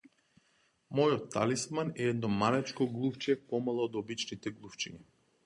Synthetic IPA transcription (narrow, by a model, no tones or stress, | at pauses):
mɔjɔt̪ːalismanɛɛd̪nɔmalɛt͡ʃkɔɡlˠuft͡ʃɛpɔmalˠɔːd̪ɔbit͡ʃnit̪ɛɡlˠuft͡ʃiɲa